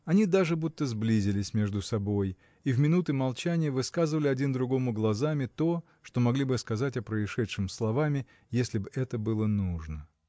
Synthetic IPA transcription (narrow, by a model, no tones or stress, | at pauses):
ɐnʲid̪aʐɨbut̪ːəzblʲizʲɪlʲɪsʲmʲe̞ʐd̪ʊsɐbo̞j | ivmʲɪnut̪ɨmɐlˠt͡ɕænʲɪjəvɨskazɨvəlʲɪɐdʲind̪ɾʊɡo̞mʊɡlˠɐzamʲɪt̪o | ʂt̪o̞mɐɡlʲibɨskɐzatʲɐpɾəɪʂɛt̪ʂɨmslˠɐvamʲɪ | jesʲlʲɪbɨɛt̪əbɨlˠənuʐnə